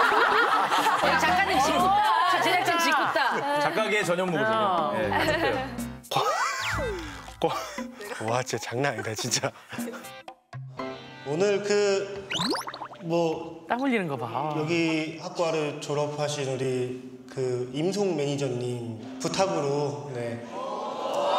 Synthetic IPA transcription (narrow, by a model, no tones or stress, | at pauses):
oit͡ɕak͈aɲːimt͡ɕikut͡ɕiet͡ɕ͈at͡ɕikut͈at͡ɕak͈aɡet͡ɕʌɲʌŋmoaa | ko | wat͡ɕet͡ɕaŋnaaɲidat͡ɕint͡ɕ͈a | onɯɾkɯ | mwʌt͈amɯʎːinɯnɡʌbajʌɡihak̚k͈waɾɯɭt͡ɕoɾʌpʰaɕʰinuɾi | kɯimsʰoŋme̞ɲid͡ʑʌɲːim | putʰaɡɯɾone̞